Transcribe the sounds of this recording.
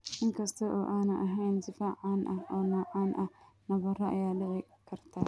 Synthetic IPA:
ʔɪŋkʰɐst̪ʰɐʔoʔaːnɐʔɐɦejnzɪfaʕanʔɐonoːʕanʔɐnɐβɐrɐʔɐjaːlɪʕi | kʰɐɾt̪ʰɐ

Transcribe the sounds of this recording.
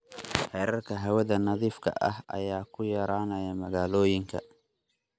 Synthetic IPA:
hɛːɾɐrkʰɐɦɐwɐðɐnɐðiːfkʰɐ̰ʔɐ̰hɐ̰jaːkʰʊjɐɾaːnɐjɐmɐɣaːlɔːjɪŋkʰɐ̰

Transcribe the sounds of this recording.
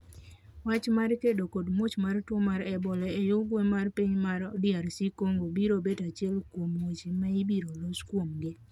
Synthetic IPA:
wat͡ʃmarkedokodmwot͡ʃmartwɔmaɾɛbɔlɛɛjʊɡwɛmarpiɲmaɾɔdɪaɾsikoŋɡobiɾobedat͡ʃɪɛlkwomwot͡ʃimaibiɾoloskwomɡɪ

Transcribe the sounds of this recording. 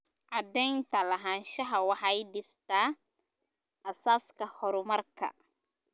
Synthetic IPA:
ʕɑd̪ɛjnt̪ʰɐlɐɦanʃɐɦɐwɑħɑjɖɪst̪ʰa | ʔɐsaːskʰɐhɔɾʊmɐrkʰɐ̰

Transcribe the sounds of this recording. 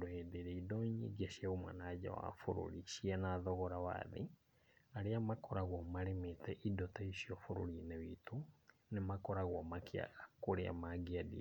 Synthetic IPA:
dohedeɾeidɔɲiɡeɕjaɣumwa̰naɟa̰wa̰fo̰ɾo̰ɾiʃiɛnaðɔɣɔɾawa̰ðḛ | aɾeamakʰɔɾaɣwɔmaɾemetɛʔidɔtaiʃiɔfoɾo̰ɾinewitunemakɔɾaɣwɔmakʰea̰ɣakoɾea̰maɡiadḭ

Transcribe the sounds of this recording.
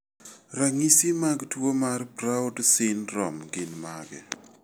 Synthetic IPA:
raŋisimaɡtwomarpɾaodsɪnɾɔmɡɪnmaɡɛ

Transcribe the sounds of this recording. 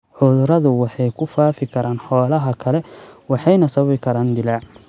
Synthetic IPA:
ħʊðʊɾɐðʊwɑħɑjkʰʊfaːfɪkʰɐɾaːnħɔːlɐɦɐkʰɐlɛwɑħɑjnɐsɐɐβɪkʰɐɾaːnd̪ɪlaʕ

